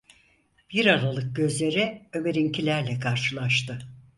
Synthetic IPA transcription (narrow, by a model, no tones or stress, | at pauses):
b̥iɾaɾalˠɯk̚ɟø̞zlʲe̞ɾɪøme̞ɾincʰilʲæɾlʲɛkʰaɾʃɯlˠaʃt̪ɯ